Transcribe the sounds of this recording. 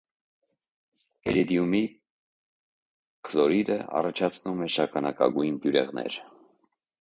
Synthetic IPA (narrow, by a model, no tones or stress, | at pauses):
ɛɾid̪ijumi | kʰlɔɾid̪əɑ̰rɑt͡ʃʰɑt͡sʰnumɛʃɑkʰɑnɑkɑ̰ɡujnbjuɾɛ̰ʁnɛ̰ɾ